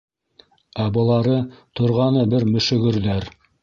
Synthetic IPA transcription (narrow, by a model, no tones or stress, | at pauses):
æbɤ̆lˠɑɾɤt̪ŏɾʁɑnɤbɘɾmɵ̆ʃɵ̆ɡɵ̆ɾðæɾ